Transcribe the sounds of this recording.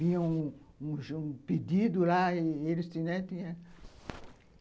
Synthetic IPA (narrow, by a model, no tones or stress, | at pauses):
ĩɲɐ̃ũ | ũʒũped̪id̪ʊlaielɪst̪ĩnẽt̪ĩɲɐ̃